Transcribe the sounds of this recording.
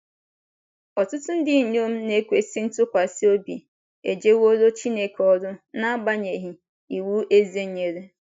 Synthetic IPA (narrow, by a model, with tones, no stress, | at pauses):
ɔ˨tʊ˦tʊ˦n̩˦dɪ˦˨ɲo˦m̩˦ne˦kʷe˦si˦n̩˦tʊ˦kʷa˨si˦o˦bi˨ | ḛ˨d͡ʒe˦wo˦ɾo˦t͡ʃi˦ne˦kɔ˦ɾʊ˦na˦ba˦ɲe˨ɦi˦ | i˨wu˦ʔe˦ze˦ɲe˨ɾe˦